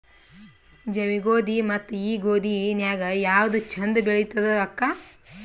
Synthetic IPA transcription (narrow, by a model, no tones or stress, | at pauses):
d͡ʒɐʋiɡoːd̪imɐt̪ːuiːɡoːd̪injaːɡɐjaːwd̪ut͡ʃʰɐnd̪beɭit̪ːɐd̪ɐɐkːa